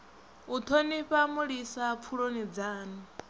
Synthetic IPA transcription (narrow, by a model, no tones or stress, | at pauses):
ut̪ʰoniɸamuɺisap̪fʰuɺonid͡zaːni